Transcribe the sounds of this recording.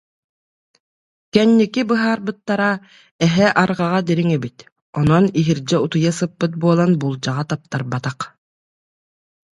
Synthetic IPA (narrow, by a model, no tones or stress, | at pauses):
kɛnːikibɯɦaːɾbɯt̪ːaɾa | ɛɦɛʔaɾʁaʁad̪iɾiŋɛbit̪ | ɔnɔniɦiɾd͡ʑɛut̪ujasɯpːɯt̪̚buɔlˠanbulˠd͡ʑaʁat̪ap̚t̪aɾbat̪aq